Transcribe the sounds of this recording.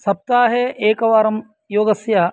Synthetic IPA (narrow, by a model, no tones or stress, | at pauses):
sɐp̚t̪aːɦeʔeːkɐʋaːɾɐm | joːɡɐsja